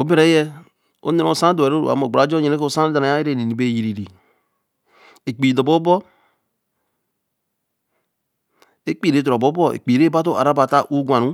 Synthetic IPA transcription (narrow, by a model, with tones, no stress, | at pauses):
o˨˦be˦ɾe˨˦je˦ | o̰˦ne˦no˨sa˦de˨ɾo̰˦˨a̰˨˦mo˨ɡ͡ba˨˦d͡ʒo˦ɲe˨ne˦ko˦˨sa˦da˨na˨˦a˦i˦ɾe˦˨ni˨ni˨be˦˨ji˨ɾi˨ɾi˨ | e˨k͡pi˨do˨bo˦bɔ˦ | e˦k͡pi˦˨ɾe˨˦tɾo˨bo˦bo˦ḛ˨k͡pi˨ɾe˦ba˦to˦ʔa̰˨ɾa˦ba˨ta˦ʔu˦ɡʷa˨nu˦